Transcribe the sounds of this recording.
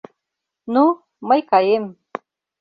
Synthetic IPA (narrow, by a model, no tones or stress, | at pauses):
nu | məjkɑjem